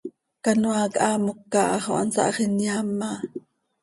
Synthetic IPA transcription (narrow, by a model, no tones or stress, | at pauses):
kanuakʔamukːaʔχoʔansa̰ʔχinjamːa